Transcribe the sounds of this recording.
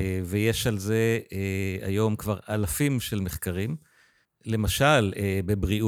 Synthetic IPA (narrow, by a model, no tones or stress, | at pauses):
veje̞ʃalze̞ea̰jo̞mkvaʁalafimʃe̞lmeχkaʁim | le̞maʃalebebʁi